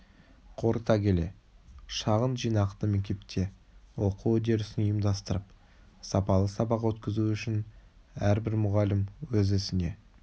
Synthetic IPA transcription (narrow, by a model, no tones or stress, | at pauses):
qʰo̞ɾət̪ɑkʲʰe̞le̞̰ʃɑʁənʒijnɑqt̪əmek̚ʲt̪e̞p̚t̪ʰe̞wo̞quwɵd̪e̞ɾɪsɪnəjəmd̪ɑst̪əɾəp | sɑpɑlˠəsɑbɑqwɵt̪kʲɪzuʏʃɪn | æɾbɪɾmʊʁɑlɪmwɵzɪsɪne̞